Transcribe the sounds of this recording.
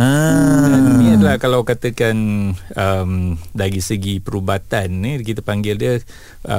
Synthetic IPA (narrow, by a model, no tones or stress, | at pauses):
ə | niadəlahkalawkat̪əkanəmdaɾisəɡipəɾubat̪anːikit̪əpaŋɡɪldiə | ə̰